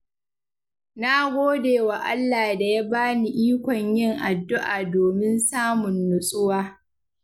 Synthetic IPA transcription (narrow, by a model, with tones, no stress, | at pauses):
na˦ɡʷoː˦deː˨wa˨ʔa̰˦lːaː˨da˨ja˦baː˦ni˨ʔiː˦kʷɔ˨ɲjɪ˦˨ŋʔa˨dːʊ˦ʔaː˨doː˨mɪ˦nsaː˦mʊ˨nːʊ˨sʼʊ˦waː˦